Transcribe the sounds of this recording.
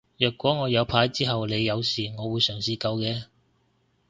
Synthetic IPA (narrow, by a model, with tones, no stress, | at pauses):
jœː˨˩kʷːɔː˨˥ŋɔː˨˧jɐ˨˧wpʰaː˨˧˥jt͡siː˥ɦɐ˨wle˨˧jːɐ˨˧wsiː˨ŋɔː˨˧wuː˨˧jsœː˨˩ŋsiː˧kɐ˧wkɛː˧